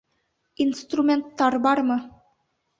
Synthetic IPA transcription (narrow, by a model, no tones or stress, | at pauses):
inst̪rumʲent̪ːɑrbɑrmɤ̆